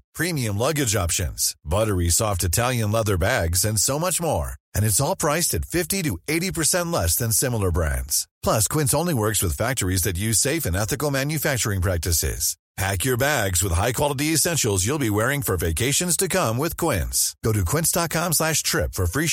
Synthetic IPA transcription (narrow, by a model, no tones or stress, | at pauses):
pʰɹ̥imiɨ̃mlʌɡɨd͡ʒɑpʃɨ̰̃nz̥bʌɾə˞isɔftɨtʰælˠjɨ̃nlɛðə˞bæɡzɨ̃nsoʊmʌt͡ʃmɔ̰ɹɨ̃nɨtsɔlˠpʰɹ̥aɪstɨtfɪftiɾɨeɪɾipə˞sɛ̃nʔˡlɛsðɨ̃nsɪ̃ml̩ˠə˞bɹæ̰̃ndz̥pʰl̥ʌskʰw̥ɪ̃nsõʊ̃nliwɜ˞kswɨð̥fæk̚tə˞izðɨt̬̚jʉz̥seɪfɨ̃nɛθɨkl̩ˠmæ̃njɨfæk̚t͡ʃə˞ɪ̃ŋpʰɹ̥æk̚tɨsɪ̰z̥ | pʰækjə˞bæɡzwəð̥ɦaɪkʰw̥ɑlˠəɾiɨsɛ̃nʃl̩ˠzjulˠbiwɛɹɪ̃ŋfə˞veɪkʰeɪʃɨ̃nz̥tʰɨkʰʌ̃mwɪð̥kʰw̥ɪ̃nsɡ̥oʊɾɨkʰw̥ɪ̃ntsd̥ɑt̚kʰɑ̃mslæʃtʰɹ̥ɪpfə˞fɹi